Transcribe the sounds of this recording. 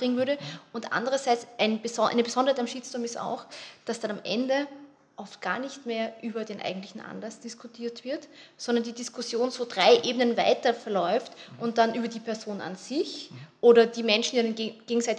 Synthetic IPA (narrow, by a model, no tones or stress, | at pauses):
b̥ʁɪŋənvʏɐɾəʊntʔa̰ndəʁɐzaɪt͡sʔaɪnbəzɔʔa̰ɪnəbəz̥ɔ̃ndəhaɪtamʃiːt͡sd̥ʊɐmɪsta̰ʊxd̥asd̥anamʔɛ̰ndə | ʔɔftɡ̥a̰ːɐnɪçtmeːɐʔyːbɐdeːnʔa̰ɪɡŋ̩tlɪçn̩ʔa̰nlasd̥ɪskʰʊtʰiːɐtv̥ɪɐtsɔndɐndiːdiskʰʊsjoːnzoːdʁaɪʔeːbənənva̰ɪtɐfɛɐlɔʏftʔʊnt̚d̥anʔyːbɐdiːpʰɛɐzoːna̰nz̥ɪçʔoːɾɐdiːmɛnʃn̩diːnɡ̥eːɡŋ̩saɪt